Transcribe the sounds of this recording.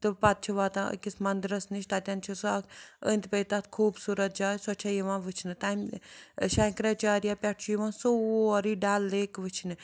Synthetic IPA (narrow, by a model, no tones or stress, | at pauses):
t̪ɨpat̪̚t͡ʃʰiʋaːt̪ã̰kismɐnd̪ɾɐsniʃt̪at̪ʲant͡ʃʰisakənt̪pejt̪at̪ʰkʰuːbsuːɾɐt̪̚d͡ʒaːsɔt͡ʃʰajiʋãːʋɨt͡ʃʰnɨt̪amʃakɾat͡ʃaːɾijapʲɛʈt͡ʃʰujiʋãːsoɾiɖalːeːkʋɨt͡ʃʰnɨ